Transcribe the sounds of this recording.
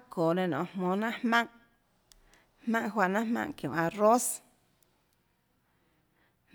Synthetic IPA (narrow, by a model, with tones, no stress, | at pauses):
ko˨lẽ˧˨nõ̰˨hmõ˧nã˦hmã˦ŋ | hmã˦ŋɦwa˧ʔnã˦hmã̰˦ŋkjõ̰˨a˧ro˦s